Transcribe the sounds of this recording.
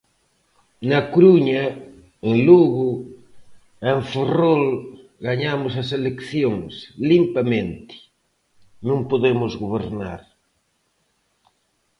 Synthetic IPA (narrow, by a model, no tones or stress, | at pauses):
nɐkɾuɲɐ | eŋluɣʊ | eɱferol | ɣaɲamʊs̬ɐselekθjoŋslimpamẽnt̪ɪ̥ | nũmpoðemʊzɣoβ̞eɾna̰ɾ